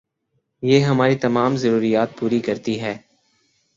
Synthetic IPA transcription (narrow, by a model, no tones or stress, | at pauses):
jeːɦɐmaːɾit̪ɐmaːmzɐɾuːɾijaːt̪̚puːɾikɐɾt̪iɦɛː